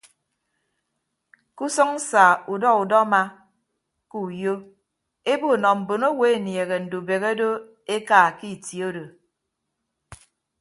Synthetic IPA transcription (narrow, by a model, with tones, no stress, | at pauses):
ku˦sɔ˦ŋ̩˦sa˨u˨dɔ˦u˨dɔ˦ma˦ | ku˦˨jo˦ | e˦bo˦˨nɔ˨m̩˨bo˨no˦we˦e˨nje˨ɣe˨n̩˨du˨be˨ɣe˦do˦ | e˦ka˨ki˦˨tji˨o˦do˨